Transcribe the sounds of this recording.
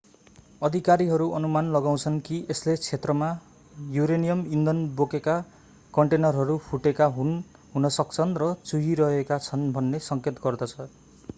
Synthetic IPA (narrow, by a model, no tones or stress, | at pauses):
ʌd̪ʱikaɾiɦʌɾuʔʌnumanlʌɡaw̃t͡sʰʌnkieslet͡sʰet̪rʌma | juɾenijʌmind̪ʌnbokeka | kʌɳʈenʌrɦʌɾupʰuʈekaɦun | ɦunʌsʌk̚t͡sʰʌnrʌt͡suɦiɾʌɦekat͡sʰʌnbʱʌnːesʌŋket̪ɡʌrd̪ʌt͡sʰʌ